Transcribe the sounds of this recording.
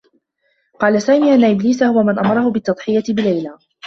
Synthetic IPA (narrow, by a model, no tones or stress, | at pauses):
qɑːlasaːmiːʔanːaʔɪbliːsahʊwamanʔamɑɾˤɑhʊbɪt̪ːɑd̪ˤħɪjat̪ɪbɪlajlaː